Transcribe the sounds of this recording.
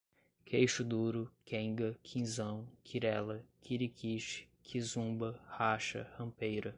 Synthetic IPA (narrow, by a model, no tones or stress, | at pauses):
kʰejʃʊd̪uɾʊkẽŋɡɐkʰĩzɐ̃w̃kʰiɾɛlɐkiɾikʰiʃɪ̥ | kʰizũbɐhaʃɐ̰hɐ̃pejɾɐ